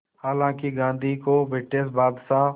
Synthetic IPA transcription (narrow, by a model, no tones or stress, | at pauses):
haːlãːkiɡãːnd̪ʱiːkoːbʱɪːʈeːsbaːd̪saː